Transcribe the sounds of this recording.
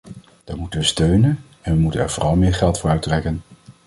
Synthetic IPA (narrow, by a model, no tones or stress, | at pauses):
d̥aɹmutənʋəstøɥnən | ɛnʋəmutənɛ̰ɹvoːrɑlˠmɪːɹχɛlˠtfʊːrœɥtrɛkən